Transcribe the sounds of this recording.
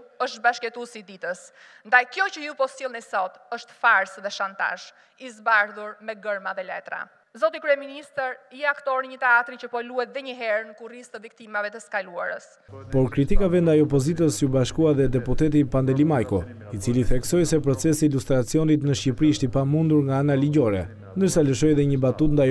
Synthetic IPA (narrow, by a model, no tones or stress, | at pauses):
əʃt̪̚baʃkɛt̪usid̪it̪əs | nd̪ajkjɔcəjupɔsilˠnɛsɔt̪əʃt̪faɾsðɛʃant̪a̰ʃ | izbaɾðuɾmɛɡəɾmaðɛlɛ̰t̪ɾa̰ | zɔt̪ikɾyɛminist̪əɾiakt̪ɔɾɲət̪ɛat̪ɾicəpɔluhɛt̪̚ðɛɲəɦɛɾnəkurist̪əvik̚t̪imavɛt̪əskalua̰ɾə̰s | pɔɾkɾit̪ikavɛnd̪ajɔp̬ɔzit̪əsjubaʃkuaðɛd̪ɛput̪ɛt̪̬ipand̪ɛlimajkɔ | it͡siliθɛksɔjsɛpɾɔt͡sɛsiːlust̪ɾat͡siɔnit̪nəʃcipɾiʃt̪ipamund̪uɾŋɡaanaliɟɔɾɛ̰ | nd̪əɾsaləʃɔjðɛɲəbat̪ut̪nd̪aj